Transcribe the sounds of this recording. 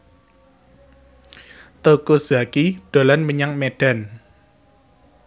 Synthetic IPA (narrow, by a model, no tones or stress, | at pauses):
t̪okoza̤kiɖ̪̥o̤lanməɲaŋmeɖ̥a̤n